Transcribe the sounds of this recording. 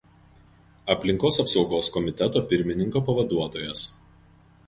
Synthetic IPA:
ɐpʲlʲɪŋkoːsɐpsɒʊɡoːskɔmʲɪt̪ʲɛt̪oːpʲɪɾʲmʲɪnʲɪŋkoːpɐʋɐd̪uɔt̪oːjɛs

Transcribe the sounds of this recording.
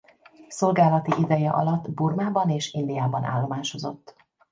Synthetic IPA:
so̞lɡaːlɒt̪iʔid̪ɛjɛ̰ʔɒ̰lɒt̪ːburmaːbɒneːʃind̪ijaːbɒna̰ːlːo̞maːʃozo̞̰t̪ː

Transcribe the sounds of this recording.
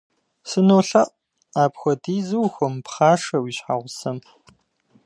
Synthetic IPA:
sɨnoːɬɐʔ | aːpxʷɔdiːzɨwxʷɔmpχaːʂɐwiːɕħa̰ːʁʷʊsɐm

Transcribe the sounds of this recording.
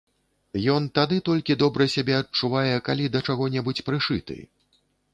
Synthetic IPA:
jɔnt̪ad̪ɨt̪ɔlʲkʲid̪ɔbɾɐsʲabʲɛɐt͡ʂuvajɛkalʲid̪ɐt͡ʂaɣɔnʲɛbut͡sʲpɾɨʂɨt̪ɨ̰

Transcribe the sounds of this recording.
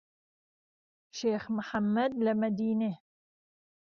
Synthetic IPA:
ʃeːxmħamːɐd̪lamad̪iːne

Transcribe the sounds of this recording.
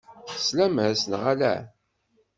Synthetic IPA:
χə̥slæmæsənʁalæ̰

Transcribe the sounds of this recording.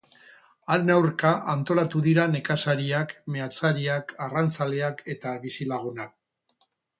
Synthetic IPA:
aɾenawrkaʔant̪o̞lat̪uðiɾane̞kasaɾiakme̞at͡saɾiakarant͡sale̞ake̞t̪aβisilaɣ̞unak̚

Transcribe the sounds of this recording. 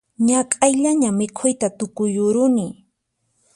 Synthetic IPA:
ɲakʼajʎaɲamɪkʰʊjt̪at̪ʊkʊjʊɾʊnɪ

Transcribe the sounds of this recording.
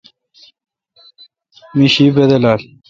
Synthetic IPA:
miɕibed̪elaːl

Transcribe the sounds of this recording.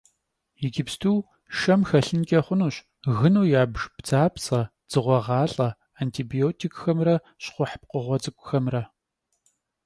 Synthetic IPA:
jɪɡʲɪpstʰuː | ʃɐmxɐɬɨnkʲʼɐχʷʊnuːɕ | ɣɨnuːjaːbʒbd͡zaːpsɐ | d͡z̥ɨʁʷɔʁɑːɬʼɐ | aːntʰiːbijoːtʰikʼxɐmrɐ | ɕχʷʊħəp̚qəʁʷɔt͡sʼɨkʷʼʊxɐmrɐ

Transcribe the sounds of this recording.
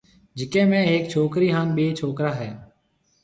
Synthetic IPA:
d͡ʒɪkẽːmẽːeːk̚t͡ʃʰoːkɾiːɦaːnɓeːt͡ʃʰoːkɾaːɦɛː

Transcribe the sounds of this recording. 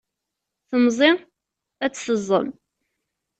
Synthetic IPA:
θəmzˤi | æt͡sːθəzˤːə̰m

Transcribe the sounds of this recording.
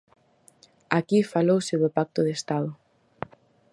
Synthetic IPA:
akifalowseðʊpak̚t̪ʊðest̪aðʊ

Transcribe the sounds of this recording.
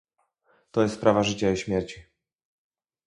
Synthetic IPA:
t̪ɔjɛst̪pɾavaʐɘt͡ɕaiɕmʲjɛɾt͡ɕi

